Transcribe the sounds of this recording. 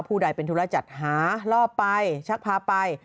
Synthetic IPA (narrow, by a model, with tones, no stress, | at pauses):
pʰuː˥˩da˧˩jpe˧nt̪ʰu˦˥la˧˥t͡ɕa˨˩t̪̚ɦaː˩˦lɔː˥˩pːa˧jt͡ɕʰa˦˥k̚pʰaː˧pa˧j